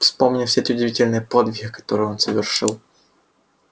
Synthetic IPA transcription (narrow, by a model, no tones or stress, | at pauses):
fspomnʲɪfsʲetʲiɪʊdʲɪvʲitʲɪlʲnɨjəpod̪vʲɪçʲɪkɐ̥t̪oɾɨjonsəvʲɪrʂɨ̰lˠ